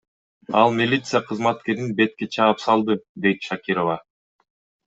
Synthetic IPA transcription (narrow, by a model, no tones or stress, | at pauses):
ɑlˠmʲilʲit̪sɨjaqʰɯzmɑt̪ke̞ɾinbe̞t̪̚ke̞t͡ʃʰɑpsɑlˠd̪ɯd̪e̞jt̪ʃakʲiɾova